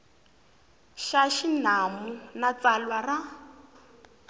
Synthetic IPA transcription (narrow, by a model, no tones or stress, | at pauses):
ʃaʃinamunat͡salwara